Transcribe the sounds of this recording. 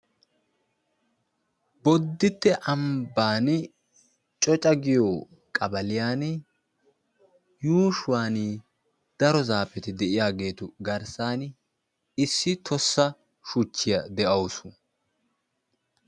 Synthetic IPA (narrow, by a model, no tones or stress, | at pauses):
bɔd̪ːɪt̪ːɛʔɐmbaːn | t͡ʃʼɔt͡ʃʼɐɡɪjo | kʼɐbɐlɪjaːn | juːʃʊwaːni | d̪̥ɐɾɔzaːpɛt̪ɪd̪ɛʔɪjaːɡe̞ːt̪ʊɡɐɾsaːn | ɪsːɪt̪ʰɔsːɐ | ʃʊt͡ʃːɪjɐd̪ɛʔɐwsʊ